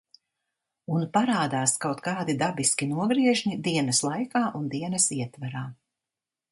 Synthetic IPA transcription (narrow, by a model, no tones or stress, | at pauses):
unpaɾaːd̪aːskawt̪kaːd̪id̪abiskʲinuɔɡɾiɛʒnid̪iɛnɐslˠajkaːʔund̪iɛnɐsiɛt̪vaɾaː